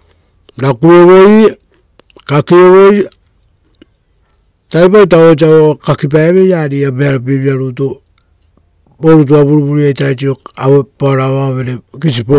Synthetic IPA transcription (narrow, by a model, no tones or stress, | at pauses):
nakuoβoj | kakioβoj | tajp̬ajt̬aot͡ʃ̬aokakip̬aeβe̞jaɾiabeaɾap̬eβiaɾuto | boɾut̬uaβuɾuβuɾiajtajtioaβopaɾaβaβeɾekisipo